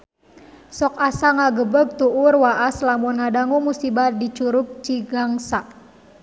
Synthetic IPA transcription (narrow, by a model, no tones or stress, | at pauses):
sɔkasaŋaɡəbəɡ̚t̪uʔurwaʔaslamɔnŋadaŋumusibardit͡ʃuɾuk̚t͡ʃiɡaŋsaʔ